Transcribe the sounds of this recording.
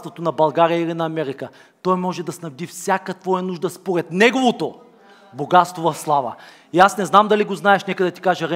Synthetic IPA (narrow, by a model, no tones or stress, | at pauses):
st̪vot̪onɐbɐlˠɡaɾijəilinɐːmɛɾikə | t̪ɔjmɔʒɛd̪ɐsnɐvd̪ifsʲjakət̪vɔjɐnuʒd̪əspoɾɛt̪nɛɡovot̪o | boɡat̪st̪vovɐfslˠavə̰ | iasnɛznamd̪ɐliɡoznaɛʃnɛkəd̪ɐt̪i̥kaʒəɾɛ